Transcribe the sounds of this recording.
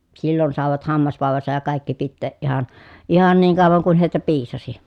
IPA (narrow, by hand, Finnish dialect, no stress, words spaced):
silːon sɑˑeʋɑt hɑmːɑsʋɑˑeʋɑsɑj jɑ kɑˑikːi pitːeːʔ ʔihɑn ihɑn niːŋ kɑˑoʋɑŋ kun heˑitæ piːsɑsi